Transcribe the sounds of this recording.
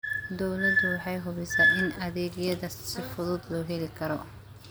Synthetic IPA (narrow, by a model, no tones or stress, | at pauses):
d̪ɔwlɐd̪ʊwɑħɑjɦʊβɛsaːɪnɐðɛːɡjɐðɐsɪfʊðʊd̪lɔːɦɛlɪkʰɐɾɔ